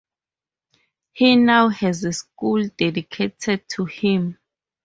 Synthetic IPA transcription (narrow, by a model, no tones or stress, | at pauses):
hinawhɛzeskuldedikʰetʰɛd̚tʰuhĩm